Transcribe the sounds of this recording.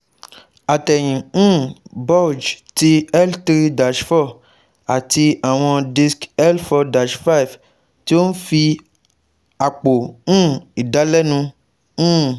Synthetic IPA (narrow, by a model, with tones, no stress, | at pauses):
a˨tɛ˨j̃ĩ˨˦bɔ˦˨d͡ʒti˦ɛ˦ltɾi˦da˨d͡ʒfɔ˦˨ | a˨ti˧a˨w̃ɔ̃˧di˧skɛ˦lfɔ˧da˨d͡ʒfa˦i˨f | ti˦o˦n̩˦fi˧ | a˨k͡po˨ũ˦i˨da˨˦lɛ˦nũ˧˦